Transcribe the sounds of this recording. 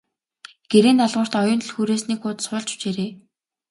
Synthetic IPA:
ɡ̥eɾeːnt̪aɮʁʊ̆r̥t̪ɔjʊ̆nt̪̆ɮxuːɾeːsniːkʊːt̪sʊːɮt͡ɕu̥t͡ɕeːɾeː

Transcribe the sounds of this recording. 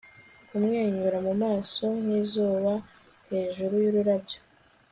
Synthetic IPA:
umŋeːɲuɾamumaːso̞hizuːβa | he̞ːʒuɾujuɾuɾabjo̥

